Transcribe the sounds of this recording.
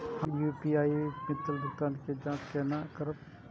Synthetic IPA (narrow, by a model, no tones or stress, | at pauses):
hɐmjupiaːimɪt̪ːəlb̪ʱʊt̪aːnked͡ʒãːt͡ʃkenakəɾəp̚